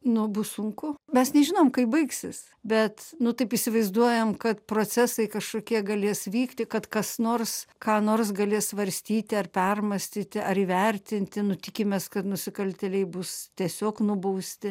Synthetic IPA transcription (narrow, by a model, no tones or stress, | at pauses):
nʊbʊssʊŋkʊmʲɛsnʲɛʒʲɪnoːmkɐɪp̚bɐɪksʲɪs | bʲɛt̪nʊt̪ɐɪpisʲɪʋɐɪzd̪uɔjɛmkɐt̪pɾoːt͡sʲæsɐɪkɐʃkoːkʲiɛɡɐlʲeːsʋʲiːkt̪ʲɪkɐt̪kɐsnoːrskɑːnoːrs̬ɡɐlʲeːsʋɐɾʲsʲt̪ʲiːt̪ʲɪɐrpʲɛrmɐsʲt̪ʲiːt̪ʲɪʔɐɾiːʋʲɛrʲt̪ʲɪnʲt̪ʲɪnʊt̪ʲɪkʲɪmʲeːskɐt̪nʊsʲɪkɐlʲt̪ʲɛlʲɛɪbʊstʲiɛsʲoːknʊbɐʊsʲt̪ʲɪ